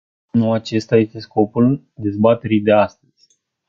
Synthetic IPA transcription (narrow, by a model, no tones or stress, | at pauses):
nuat͡ʃe̞st̪aje̞st̪e̞sko̞pul | d̪e̞zbat̪e̞ɾijd̪e̞ast̪əz̥ʲ